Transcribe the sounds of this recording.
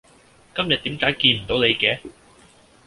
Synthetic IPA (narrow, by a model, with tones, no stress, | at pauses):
kɐ˥mjɐ˨t̚t̪iː˨˥mkaː˨˥jkiː˧nm̩˨˩t̪o˨˥wne˨˧jkɛː˨˥